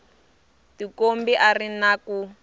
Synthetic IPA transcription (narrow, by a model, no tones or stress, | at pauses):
tikombiʔarinaku